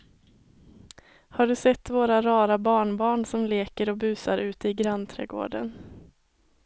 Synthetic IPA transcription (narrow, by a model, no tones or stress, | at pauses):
haɖɵsɛt̪ːvoːɾaɾɑːɾabɑːɳbɑːɳsɔmleːkəɾɔbʉ̟ːsaɾʔʉ̟ːt̪əɪɡɾant̪ʰɾɛ̰ɡo̰ːɖə̰n